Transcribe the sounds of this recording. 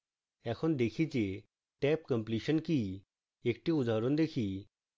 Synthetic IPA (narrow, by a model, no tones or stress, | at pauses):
ɛkʰond̪ekʰit͡ɕe | ʈɛp̚kə̃mpliʃənki | ekʈiud̪ʱaɾond̪ekʰi